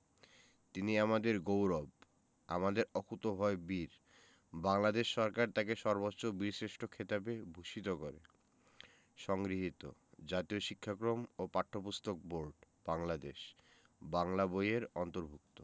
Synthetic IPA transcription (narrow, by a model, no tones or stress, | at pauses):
t̪iniamad̪eɾɡowɾɔb | amad̪eɾɔkʰut̪obʱɔebiɾ | baŋlad̪eʃːɔɾkaɾt̪akeʃɔɾbotːɕobiɾsɾeʃʈʰokʰet̪ap̬ebʱuʃit̪okɔɾḛ | ʃɔŋɡɾiɦit̪o̰d͡ʑat̪ioʃikʰːakɾomopaʈʰːopust̪ok̚boɾɖ | b̥aŋlad̪eʃ | baŋlabojeɾɔnt̪oɾbʱuk̚t̪o